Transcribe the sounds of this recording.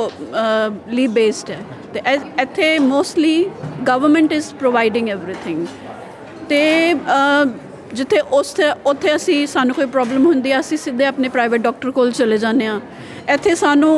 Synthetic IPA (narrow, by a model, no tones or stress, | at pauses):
liːbeːsʈɛː | t̪eɪt̪ʰːeːmoːsʈliːɡəʋəɾmə̃ɳʈɪzpɾoːʋaːɪɖɪ̃ŋɡɛːʋɾiːt̪ʰɪ̃ŋɡ | t̪eː | d͡ʒɪt̪ʰːeːʔʊseʊt̪ʰːeːəsĩːsaːnũːkoːiːpɾɔːbləmɦʊnd̪iːɛːəsĩːsɪd̪eaːpneːpɾaːɪʋəʈ̚ɖɔːk̚ʈəɾkoːlt͡ʃəleːd͡ʒãːnːeːãː | ɪt̪ʰːeːsaːnũː